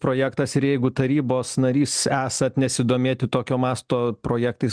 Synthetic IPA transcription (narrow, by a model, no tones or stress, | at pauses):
pɾoːjæːkt̪ɐsɪɾjɛɪɡʊt̪ɐɾʲiːboːsnɐɾʲiːsæːsɐt̪nʲɛsʲɪd̪oːmʲeːt̪ʲɪt̪oːkʲoːmɑːst̪oːpɾoːjæːk̚t̪ɐɪs